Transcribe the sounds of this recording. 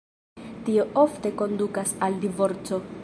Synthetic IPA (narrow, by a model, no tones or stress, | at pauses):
tio̞ʔofte̞ko̞ndukasaldivo̞ɾt͡so̞